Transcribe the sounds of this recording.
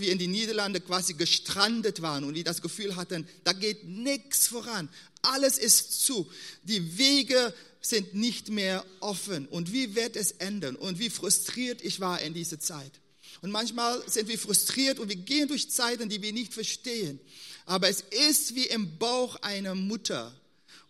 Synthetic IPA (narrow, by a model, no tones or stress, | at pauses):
viːɐɪndiːniːdɐlandəkv̥aːziɡəʃtʁ̥andətv̥aːʁənʊntv̥iːɐdasɡ̥əfyːlɦatənd̥aːɡeːt̚nɪkt͡sfoʁan | ʔaləsɪstt͡suːd̥iːveːɡə | z̥ɪntnɪçtmeːɐʔɔfənʊntv̥iːvɪɐtɛsʔɛndɐnʊntv̥iːfʁ̥ʊstʁ̥iːɐtɪçv̥aːɐʔɪndiːzɐt͡saɪt | ʊntmançmaːlzɪntv̥iːɐfʁ̥ʊstʁ̥iːɐtʊntv̥iːɐɡeːəndʊɐçt͡saɪtn̩diːviːɐnɪçtfɛɐʃteːənʔaːbɐɛsɪstv̥iːʔɪmbaʊxʔaɪnɐmʊtʰɐ̰